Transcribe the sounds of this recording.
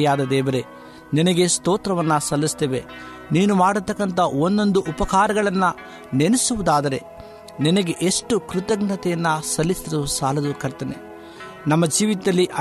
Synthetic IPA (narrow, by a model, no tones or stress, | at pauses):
jaːd̪ɐd̪ɛːʋɐɾe̞ | ninɐɡe̞st̪oːt̪ɾɐʋɐnːɐsɐlːist̪eʋe | niːnumaːɽut̪ːɐkːɐnt̪ɐond̪o̞nd̪uʔupɐkaːɾɐɡɐɭɐnːɐ | nenesuʋud̪aːd̪ɐɾe̞ | ninɐɡe̞ʔeʂʈukɾut̪ɐɡnɐt̪ɛjɐnːɐsɐlːisɐusaːlɐd̪ukɐɾt̪ɐnḛ | nɐmːɐd͡ʒiːʋit̪d̪ɐlːiʔɐ